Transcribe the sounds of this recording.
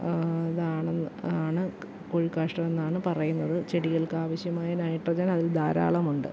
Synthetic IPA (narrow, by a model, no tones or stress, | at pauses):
ɐðaːɳaːɳɨ | koɻikːaːʂʈɐme̞nːaːɳɨpɐrɐjunːɐðɨt͡ɕeɽiɣɐɭkɨaːʋɐɕjɐmaːjɐnajʈːrɐd͡ʑɐnɐðild̪aːɾa̰ːɭɐmuɳɖɨ̰